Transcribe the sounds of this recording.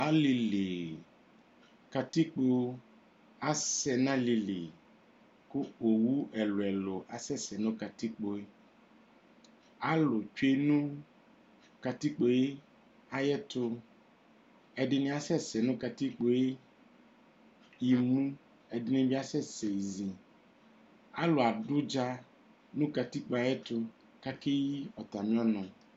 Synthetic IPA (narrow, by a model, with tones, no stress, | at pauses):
a˦li˨le˨ | ka˨t̪i˦k͡po˦wo˦ | a˦sɛ˨nã˦li˨lḛ˨ | kʊ˦o˨wu˦ɛ˨lʊ˨ɛ˨lʊ˨ʔa˨sɛ˦sɛ˨nʊ̃˦ka˨t̪i˦k͡po˦e˦ | a˦lʊ˨t͡ʃe˦nũ˦ | ka˨t̪i˦k͡po˨˦je˦ | a˨jɛ˦t̪ʊ˦ | ɛ˨dɪ˨nɪ̃˦a˨sɛ˦sɛ˨nʊ̃˦ka˨ti˦k͡po˨je˦ | ji˨mũ˦ | ɛ˨dɪ˨nɪ̃˨bɪ˦a˨sɛ˦se˨zi˨ | a˦lʊ˨a˨dʊ˦d͡ʒa˦ | nũ˦ka˨t̪i˦k͡po˨˦a˨jɛ˦t̪ʊ˦ | ka˦ke˦ji˦ɔ˨t̪a˨mɪ̃˦ɔ˦nɔ̃˨